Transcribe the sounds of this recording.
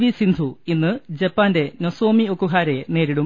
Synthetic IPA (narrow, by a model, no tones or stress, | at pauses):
ʋisind̪ʱuinːɨd͡ʑepːaːnde̞noso̞ːmiokːuɦaːɾene̞ːɾiɽum